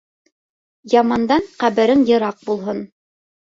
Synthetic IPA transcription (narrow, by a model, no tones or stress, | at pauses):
jɑmɑnd̪ɑɴqæβɘ̆ɾɘŋjɤ̆ɾɑq̚bulˠɦɤn